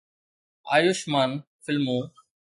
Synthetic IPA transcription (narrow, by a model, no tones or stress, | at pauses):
a̰ːjʊʃmaːnfɪlmoː